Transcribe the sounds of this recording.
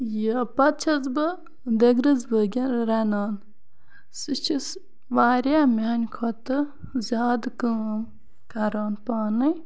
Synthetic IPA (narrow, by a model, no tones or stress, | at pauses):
jipɐt̪̚t͡ʃʰɐzbɨ | d̪eɡɾɨzbəɡʲɐnɾɐnaːn | sɨt͡ʃʰis | ʋaːɾʲamʲanʲkʰot̪ɨ | zʲaːd̪kəm | kɐɾaːnpaːnɨj